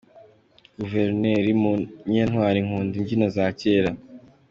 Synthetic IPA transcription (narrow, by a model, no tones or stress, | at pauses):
ɡ̥uveɾneːɾimuɲen̥hwaːɾiŋhuːndiɲɟinazaːceːɾa